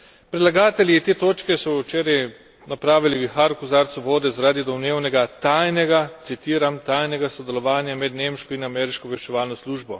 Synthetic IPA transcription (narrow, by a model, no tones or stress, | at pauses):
pɾɛd̪laɡaːt̪ɛljiːt̪eːt̪oːt͡ʃkɛsɔt͡ʃeːɾɛj | napɾaːʋiliʋixaɾkuzaɾt̪sɔʋoːd̪ɛzaɾaːd̪id̪ɔwneːwnɛɡat̪ajnɛɡat̪sit̪iːɾamt̪aːjnɛɡasɔd̪ɛlɔʋaːnjamɛd̪nemʃkɔinamɛːɾiʃkɔʋɛʃt͡ʃɛʋaːlnɔsluːʒbɔ